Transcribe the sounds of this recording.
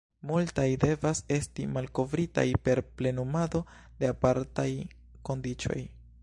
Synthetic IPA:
multajde̞vase̞stimalko̞vɾita̰jpe̞ɾple̞numado̞ | de̞apaɾtaj | ko̞ndit͡ʃo̞̰j

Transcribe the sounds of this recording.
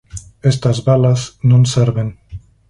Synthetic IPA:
est̪azβalaznõnseɾβen

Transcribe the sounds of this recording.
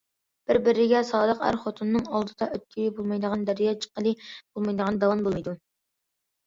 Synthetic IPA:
b̥ɪɾbɪɾɪɡʲɛsɑːd̪əqæ̰ɾχot̪ʰunːɨŋɑlˠd̪ɨd̪ɑøt̪̚kʲʰijibolˠmɑjd̪əʁɑnd̪æɾɪjɑːt͡ʃʰə̥qːəlˠɨb̥olˠmɑjd̪əʁɑnd̪ɑwɑnbolˠjd̪u

